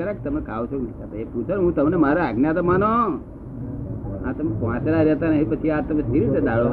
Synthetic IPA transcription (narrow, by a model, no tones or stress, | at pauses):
əɾak̚t̪əmekʰa̰ʋot͡ʃʰoknikat̪eput͡ʃʰonɦũt̪əmnemaɾoaɡnjat̪omano | ɦã̰t̪əmepʋãt͡ʃelaɾɛt̪anəɦĩpət͡ʃʰiat̪əmest̪ʰiɾit̪ed̪aɭo